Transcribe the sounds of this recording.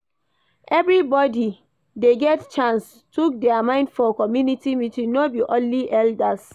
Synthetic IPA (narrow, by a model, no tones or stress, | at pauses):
ʔɛvɹibɔdi | deɡɛtt͡ʃãns | tuk̚dɛamãɪ̃ndfɔkɔmjunitimitĩnobiʔõnliʔɛldas